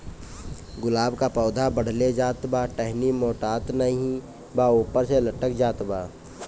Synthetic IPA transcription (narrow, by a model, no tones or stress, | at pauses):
ɡʊlaːbkapɔːd̪ʱabəɽ̤led͡ʒaːt̪baʈɛɦnimoːʈaːt̪nəɦĩ | bauːpəɾseləʈəkd͡ʒaːt̪baː